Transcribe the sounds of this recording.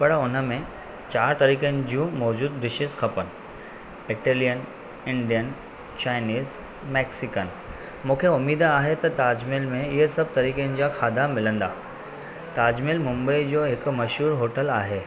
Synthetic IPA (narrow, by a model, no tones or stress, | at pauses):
pɐɽʊnəmẽ | t͡ɕaːɾt̪ɐɾiːkənɪ̆d͡ʑijũmɔːd͡ʑuːd̪d̪ɪʃɪzkʰɐpənɪ̆ | ɪʈeːlijən | ɪ̃ɳɖijən | t͡ɕaːɪniːz | mɛːksɪkən | mũːkʰeʊmiːd̪aːɦet̪ɐt̪aːd͡ʑmɪlmẽɪɦəsɐb̚ʱt̪ɐɾiːkənɪ̆d͡ʑaːkʰaːd̪amɪlə̃nd̪a̰ː | t̪aːd͡ʑmɪlmʊ̃mbəid͡ʑoːɦɪkmɐʃɦuːɾɦoːʈəlaːɦeː